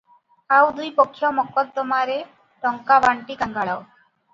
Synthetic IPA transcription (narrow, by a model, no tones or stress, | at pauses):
awd̪ujpɔkʰːjɔmɔkɔt̪̚d̪ɔmaɾe | ʈɔŋkaʋaɳʈikaŋɡaɭaw